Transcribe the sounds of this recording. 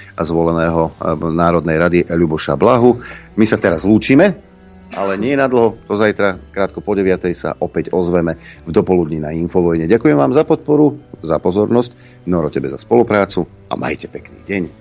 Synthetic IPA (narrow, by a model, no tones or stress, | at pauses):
azʋɔlɛnɛːɦɔnaːɾɔd̪nɛjɾad̪iʔɛʎubɔʃa̰blaɦumisat̪ɛɾazluːt͡ʃiːmɛ | ʔalɛɲɪɛjɛnad̪l̩ɦɔt̪ɔzajt̪ɾakɾaːt̪̚kɔpɔɟɛʋɪat̪ɛjsa̰ʔɔpɛɟɔzʋɛmɛvd̪ɔpɔlud̪ɲinainfɔʋɔjɲɛɟakujɛmʋaːmzapɔt̪̚pɔɾuzapɔzɔɾnɔsc | nɔɾɔcɛbɛzaspɔlupɾaːt͡su | a̰ma̰jcɛpɛknḭːɟɛɲ